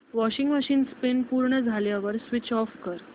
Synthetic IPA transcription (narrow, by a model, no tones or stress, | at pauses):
ʋɔɕiŋɡmaɕiːnspenpuɾɳəd͡zʱaljaʋəɾsʋit͡ɕɔfkəɾ